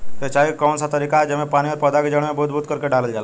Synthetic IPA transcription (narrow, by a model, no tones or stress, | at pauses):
t̪et͡ʃaːɦikɔːnsat̪əɾiːkad͡ʒemẽpaːñiʋɔɾpəd̪aked͡ʒəɽ̃mẽbud̪̚bʱuːt̪̚kəɾkeɖaləld͡ʒaːla